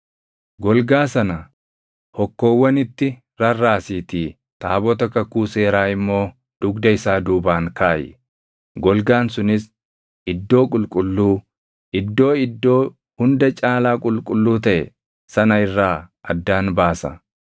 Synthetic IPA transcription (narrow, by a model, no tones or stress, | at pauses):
ɡɔlɡaːsɐnɐ | hɔkːo̞ːwːɐnɪt̪ːɪ | ɾɐrːaːsiːt̪iː | t̪aːbɔt̪ɐkɐkuːse̞ːɾaːɪmːo̞ː | d̪̥ʊɡd̪ɐɪsaːd̪uːbaːŋkaːjɪ̰ | ɡɔlɡaːnsʊnɪs | ɪd̪ːo̞ːkʼʊlkʼʊlːuː | ʔɪd̪ːo̞ːɪd̪ːo̞ː | hʊnd̪ɐt͡ʃʼaːlaːkʼʊlkʼʊlːuːt̪ɐʔɛ̰ | sɐnɐɪrːaːʔɐd̪ːaːnbaːsɐ